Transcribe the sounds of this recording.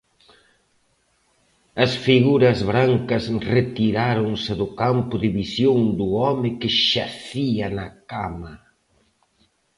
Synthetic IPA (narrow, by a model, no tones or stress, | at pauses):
ɐsfiɣuɾɐzβɾaŋkɐsret̪iɾaɾoŋsɪðʊkampʊðɪβisjoŋd̪ʊɔmɪkɪʃaθiɐnɐkamɐ